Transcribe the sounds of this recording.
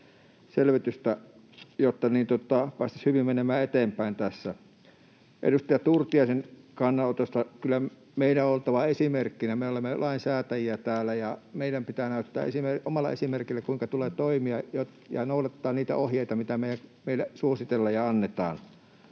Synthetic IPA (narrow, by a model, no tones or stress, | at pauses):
selʋyt̪yst̪æ | jot̪ːɑniːnt̪ot̪ːˑɑpɑˑist̪ɑshyʋimmenemæːet̪eːmpæˑint̪æsːæ | ʔḛdust̪ɑjɑt̪urt̪iɑˑisenkɑnːɑot̪osːɑkylːæ | meˑilæoolt̪ɑʋɑesimerkːinæmeolemːelʔɑinsæːt̪æjiæt̪æːlːˑæjɑmeˑiɾæmpit̪æːnæˑyt̪ːæ̰ːḛsimeomɑlːˑɑ̰ḛsimerkilːækuiŋkɑt̪uleːt̪oimiɑjot̪ | jɑ̰noˑuɑt̪ːɑːnniːt̪æ̰ohjeˑit̪ɑmit̪æmeˑijæŋmeˑilːæsuosit̪elːɑːjjɑɑnːet̪ɑ̰ːn